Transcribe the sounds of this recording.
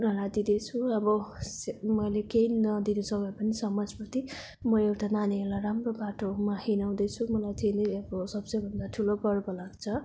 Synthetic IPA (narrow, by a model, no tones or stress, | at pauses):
naɾad̪id̪et͡sʰuʌbʌsmʌjlekeinʌd̪inʌsʌkʌpʌnisʌmʌd͡zpʌt̪i | mʌewʈananiɦelaɾamrobaʈomahinaw̃d̪ʌt͡sʰumʌlajt̪ʰileʌbʌsʌbsʌjbʱʌnd̪aʈʰulokʌɽbʌlaɡt͡sʰʌ